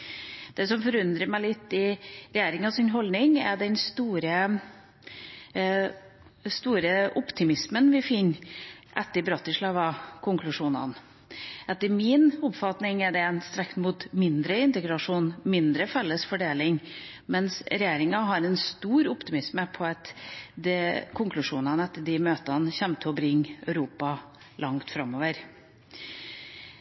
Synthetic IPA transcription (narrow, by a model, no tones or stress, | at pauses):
d̪̥ɛsɔmfɔɾʉnd̪ɾəmæɪlɪt̪ːɪɾɛjeːɾɪŋɑsɪnɦɔlnɪŋæ̰d̪ɛnst̪uːɾə | st̪uːɾəʔʊpt̪ʰɪmɪsmənʋɪfɪnːʔɛt̪ːəbɾɑt̪ːəʂɭɑːʋɑkʰʊŋklʉʂuːnɑ̰n | ʔɛt̪ːəɾmɪnʊpfɑt̪nɪŋɛɖɛɛnst̪ɾɛkt̪muːt̪mɪnd̪ɾəɪnt̪əɡɾɑʂuːnmɪnd̪ɾəfɛlːəsfɔɖeːlɪŋ | mɛnsɾɛjeːɾɪŋɑɦɑɾɛnst̪uːɾʊpt̪ɪmɪsməpʰɔɑt̪d̪ɛkʰʊŋklʉʂuːnɑnəɛt̪ːəɖɪmøːt̪ɑnçɛmt̪ʰəɔbɾɪŋːœʉɾuːpɑ | lʔɑŋt̪fɾɑmːoːʋəɾ